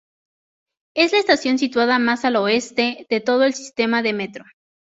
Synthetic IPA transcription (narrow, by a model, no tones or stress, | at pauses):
e̞zlaest̪asjo̞ns̬it̪waðamasalo̞e̞st̪e̞ðe̞t̪o̞ð̞o̞e̞lsi̥st̪e̞maðe̞me̞t̪ɾo̞